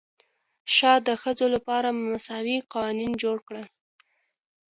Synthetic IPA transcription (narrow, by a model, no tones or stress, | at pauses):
ʃɑd̪əxəzolapɑɾammasɑwiqɑwɑnind͡ʒoɽkɽə